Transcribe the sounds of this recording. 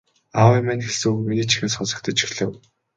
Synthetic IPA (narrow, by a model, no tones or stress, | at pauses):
awɛmænxeɮsuːkminiːt͡ɕixeːsχʊsɞ̆k̚t̪ʰə̆t͡ɕi̥xɮɘ̆w